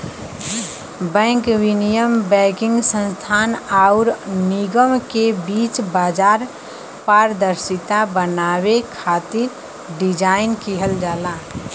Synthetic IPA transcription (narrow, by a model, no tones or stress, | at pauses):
bɛ̃ːŋkwinijəmbɛkɪ̃ŋɡsə̃nst̪ʰaːnaʊɾniɡəmkebiːt͡ʃbaːd͡ʒaːɾ | paɾd̪əɾsit̪abənawekʰaːt̪ɪɾ | ɖid͡ʒaɪnkiɦəld͡ʒaːlaː